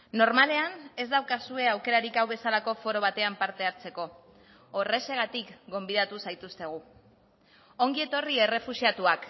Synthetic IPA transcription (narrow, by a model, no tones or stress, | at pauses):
no̞ɾmale̞ane̞zd̪awkasue̞awke̞ɾaɾikawβe̞salako̞fo̞ɾo̞β̞at̪e̞ampaɾt̪e̞aɾt͡se̞ko̞ː | re̞se̞ɣ̞at̪ikɡo̞mbiðat̪usajt̪ust̪e̞ɣ̞u | o̞ŋɡie̞t̪o̞rie̞re̞fusiat̪uak